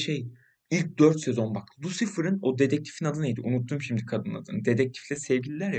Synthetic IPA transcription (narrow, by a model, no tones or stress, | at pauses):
ʃej | ilʲc̚d̪øɾt̪se̞zo̞nbakd̪usɯfɯɾɯno̞d̪e̞d̪ɛc̚t̪ʰi̥finad̪ɯnejd̪iʔunut̪ʰːuːmʃimd̪ikʰad̪ɯna̰d̪ɯ̰nd̪e̞d̪ɛc̚t̪ʰi̥flʲɛsɛvɟilʲilʲæɾja